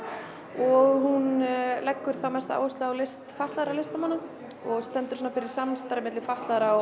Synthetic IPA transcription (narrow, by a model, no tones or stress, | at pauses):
ɔɣhunlɛkːʏɾ̥θawmɛst̪aa̰ːwʏst̪lʏawlejst̪faht̪laðɾalejst̪amanːa | ɔɣst̪ɛnt̪ʏ̥sɔːnafɪɾɪɾ̥sanst̪aɾɪmɪt̪lɪfaht̪laðɾa